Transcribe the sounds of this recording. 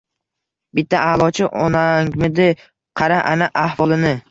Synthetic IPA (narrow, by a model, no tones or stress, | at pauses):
bɪt̪ʰːaʔalˠɒt͡ʃʰɪʔɒnaŋmɪd̪ɪ | qʰɑɾaʔanaʔahvɒlˠɪnɪ